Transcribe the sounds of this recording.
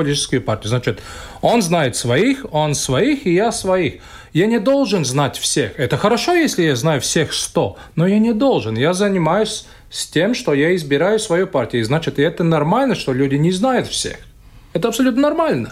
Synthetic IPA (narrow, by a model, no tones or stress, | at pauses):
ɐlʲtʲit͡ʃɪskʊjʊpartʲɪjʊznat͡ɕɪt̪o̞nznajɪt̪svɐixonsvɐixijasvɐix | janʲɪd̪o̞lˠʐɨnznatʲfsʲe̞xɛt̪əxəɾɐʂo̞jesʲlʲɪjaznajʊfsʲexʂt̪o | nojanʲɪd̪o̞lˠʐɨnjazənʲɪmajʊsʲ | sʲtʲemʂt̪ojaɪzbʲɪɾajʊsvɐjopartʲɪjʊznat͡ɕɪt̪ɪɛt̪ənɐrmalʲnəʂt̪olʲudʲɪnʲɪznajʊt̪fsʲḛx | ɛt̪əɐpsɐlʲut̪nənɐrmalʲnə